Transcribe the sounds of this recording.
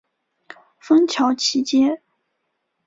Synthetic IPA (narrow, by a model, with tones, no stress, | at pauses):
fɤ˥ŋt͡ɕʰjɑ˧˥ʊt͡ɕʰi˧˥t͡ɕjɛ˥